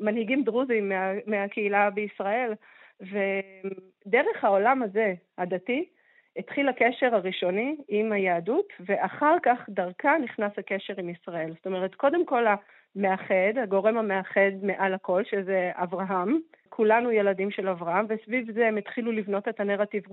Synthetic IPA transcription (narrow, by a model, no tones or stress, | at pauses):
manhiɡimdʁuzimːeameakeilabeisʁae̞l | ve̞ | deʁe̞χhao̞lamaze̞hadati | etχilhakeʃe̞ʁaʁiʃo̞niimhajaːdutve̞ʔaχaʁkaχdaʁkaniχnasake̞ʃe̞ʁimisʁae̞lzot̪ome̞ʁetko̞de̞mko̞la | me̞aχe̞daɡo̞ʁe̞mameaχe̞d̪meʔalako̞lʃezea̰vʁaɦamkʰulanujeladimʃe̞lavʁaɦamvesvivzemet̪χilulivno̞tetaneʁativʁu